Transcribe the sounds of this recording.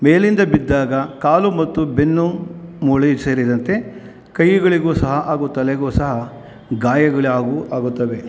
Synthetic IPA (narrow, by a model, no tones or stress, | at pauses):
meːlind̪ɐbid̪ːaːɡɐkaːlumɐt̪ːubenːumuːɭiseːɾid̪ɐnt̪e̞ | kɐjːuɡɐɭiɡoːsɐɦɐʔaːɡut̪ːɐlɛɡoːsɐɦɐ | ɡaːjɐɡɐɭiaːɡuʔaːɡut̪ːɐʋe̞